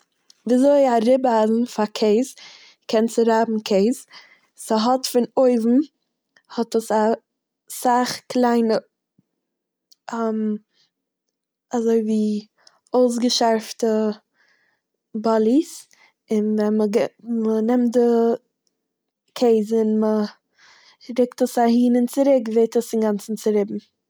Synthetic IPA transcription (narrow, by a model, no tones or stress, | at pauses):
viːzoɪaɾɪbaːzn̩fakʰeɪz | kʰɛnt͡sɪɾaːbm̩kʰeɪz | səɦɔtfɪnoɪvm̩ | hɔtəsa | saχklˠaɪnə | ɛm | azoɪviː | oʊs̬ɡəʃaɾftə | bɔlˠis | ɪnvɛnməɡmənɪmtdɪ | kʰeɪzɪnmə | ɾɪktəsahiːnɪnt͡sɪɾɪkveɪtəsɪnɡant͡sn̩t͡sɪɾɪbm̩